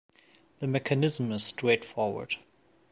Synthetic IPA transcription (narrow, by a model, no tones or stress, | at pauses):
ðəmɛkʰənɪz̃mɨz̥stʰɹ̥eɪtfɔɹwə̰˞d̥